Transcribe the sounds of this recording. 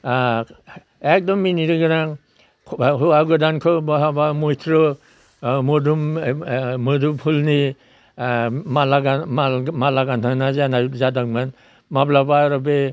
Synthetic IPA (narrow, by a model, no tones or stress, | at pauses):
ek̚dɔmːiniɾiɡɯɾaŋʰ | ɦuaɡɔdankʰɔbaɦabamojtʰɾɔ | mɔdum | mɔdumhulni | malaɡamamalaɡantʰanazanazadak̚man | mablabaɾɔbe